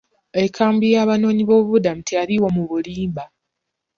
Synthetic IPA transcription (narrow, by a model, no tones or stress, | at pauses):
e̞kʰaːmbijaːβano̞ːɲiβo̞ːβudamutʰiaɾiwomuβuliːmba